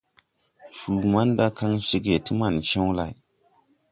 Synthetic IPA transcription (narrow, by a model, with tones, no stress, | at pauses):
fu˨ma˦n˦da˦ka˦ŋʃi˦ɡe˨ti˦ma˨nt͡ʃẽ˦wla̰˨j